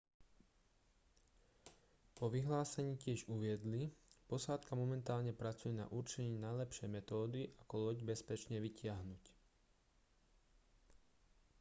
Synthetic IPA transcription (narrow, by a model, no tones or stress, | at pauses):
pɔʋiɦlaːsɛɲiːcɪɛʒuʋɪɛd̪lipɔsaːt̪kamɔmɛnt̪aːlɲɛpɾat͡sujɛna̰ʔuɾt͡ʃɛɲiːnajlɛpʃɛjmɛt̪ɔːd̪iʔakɔlɔɟbɛspɛt͡ʃɲɛʋicɪaɦnuc